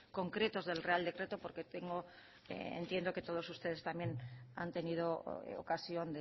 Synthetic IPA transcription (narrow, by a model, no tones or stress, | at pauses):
ko̞ŋkɾe̞t̪o̞zðe̞lreald̪e̞kɾe̞t̪opo̞ɾket̪eŋɡo | ḛḛnt̪je̞nd̪o̞ke̞t̪o̞ð̞o̞sust̪e̞ð̞e̞st̪amjena̰nt̪e̞nið̞oo̰kasjo̞nd̪e